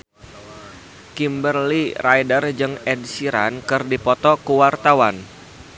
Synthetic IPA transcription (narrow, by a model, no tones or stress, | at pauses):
kimbərlirajdərd͡ʒɨŋɛdsiɾa̰nkɨrdipɔt̪ɔkuwart̪awan